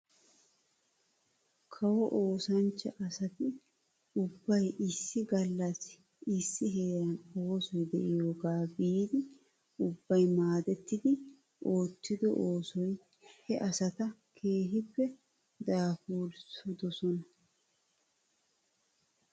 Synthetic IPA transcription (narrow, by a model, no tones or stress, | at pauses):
kʰɐwɔʔoːsɐnt͡ʃːɐʔɐsɐt̪ɪ | ʊbːɐjɪsːɪɡɐlːɐs | ɪsːɪɦeːɾɐnoːsɔjd̪ɛʔɪjoːɡaːbiːd̪ɪ | ʊbːɐjmaːd̪ɛt̪ːɪd̪ɪ | ʔo̞ːt̪ːɪd̪ɔʔoːsɔj | hɛʔɐsɐt̪ɐkʰe̞ːɦɪpːɛ | d̪aːfuːlsʊd̪ɔsɔnɐ